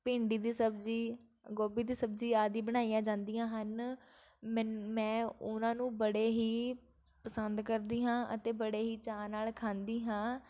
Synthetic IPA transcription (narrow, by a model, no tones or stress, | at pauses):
pɪ̃ːɳɖiːd̪iːsəbd͡ʒiː | ɡoːbiːd̪iːsəbd͡ʒiːaːd̪iːbəɽ̃aːijãːd͡ʒãːnd̪ijãːɦən | mɛ̃ːʊnãːnũːbəɽeːɦiː | pəsənd̪kəɾd̪iːɦãːʔə̰t̪eːbəɽeːɦiːt͡ʃaːnaːlkʰãːnd̪iːɦãː